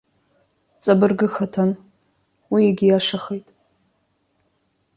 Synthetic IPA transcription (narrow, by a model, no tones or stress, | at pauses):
t͡sʼabɨrɡɨxatʰan | wiaɡʲɪjaʂaχejtʼ